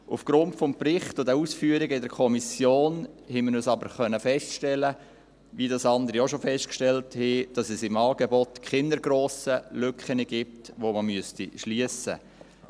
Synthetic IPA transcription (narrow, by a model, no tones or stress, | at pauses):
ʔufɡ̥ɾʊntfɔmprɪχtʊdɛuːsfyːəɾiɡəɪdɛɾkʰɔmisjoːnhɛməɾøsɑbəɾχœnəfɛstʃtɛlə | ʋidɑsɑnd̪əɾijɔʃofɛstkʃtɛlthɛd̥ɑsɛsɪmɑːɡ̥ɛbɔtkχɪndəɾɡɾoːsəlʏkχənəɡ̥ip̚tʋoməmyəstiʃliəsə̰